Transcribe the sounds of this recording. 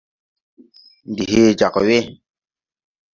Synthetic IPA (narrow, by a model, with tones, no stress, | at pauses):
ndi˨he˦d͡ʒa˨kɔ˨we˦